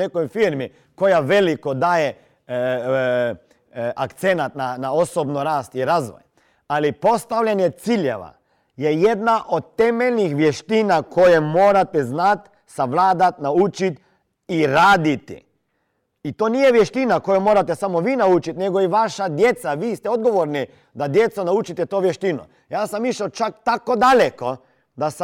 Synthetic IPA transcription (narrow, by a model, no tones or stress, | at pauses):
ekojfiɾmi | ko̞jaʋelikod̪aːje | akt̪senat̪nanaosobnoɾaːst̪iɾazʋo̰j | alipo̞st̪aʋʎanjet̪siʎḛʋa̰ | jejed̪naʔod̪̚t̪emelnixʋjeʃt̪inakʰo̞jemoːɾat̪eznat̪ | saʋlaːd̪at̪naut͡ʃit̪ | iɾaːd̪it̪ḭ | it̪oːniːjeʋjeʃt̪inakojomoːɾat̪ɛsamoʋiːnaut͡ʃit̪neɡoiʋaʃad̪jet̪saʋiːst̪ɛod̪ɡoʋoɾni | d̪ad̪jet̪sonaut͡ʃit̪ɛt̪oːʋjeʃt̪inṵ | jaːsamiʃat͡ʃakt̪akod̪aleko | d̪as